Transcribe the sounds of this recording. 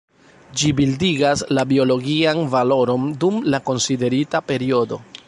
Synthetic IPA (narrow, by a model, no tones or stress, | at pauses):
d͡ʒibildiɡaslabio̞lo̞ɡianvalo̞ɾo̞ndumlako̞nside̞ɾitape̞ɾio̞do̞̰